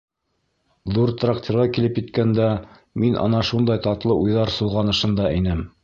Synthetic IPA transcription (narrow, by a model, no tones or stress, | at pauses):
ðuɾt̪raktʲĕɾʁɑkilɘpjɘ̆t̪kænd̪æ | minʔɑ̰nɑʃund̪ɑjt̪ɑt̪lˠɤʔujðɑɾsŏlˠʁɑnɤ̆ʃɤ̆nd̪ɑinɘm